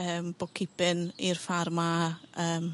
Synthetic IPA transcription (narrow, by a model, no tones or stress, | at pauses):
əːmb̥ɔkʰɪpɨnirfarmaəːm